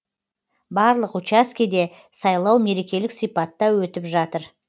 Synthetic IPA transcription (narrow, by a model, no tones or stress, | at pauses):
bɑɾlˠəqut͡ʃaskʲijd̪e̞ | sɑjlˠɑwme̞ɾe̞kʲe̞lɪksijpɑt̪ːɑwɵt̪ɪpʒɑt̪əɾ